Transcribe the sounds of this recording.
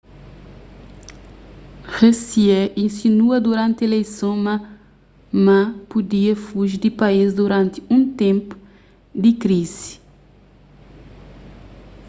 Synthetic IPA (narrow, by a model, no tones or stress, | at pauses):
ʁesiɛʔĩnsinuɐd̪uɾãnt̪elejsõma | mãpud̪iɐfuʒid̪ipaizd̪uɾãnt̪i̥ũnt̪ẽmpu̥ | d̪ikɾizi̥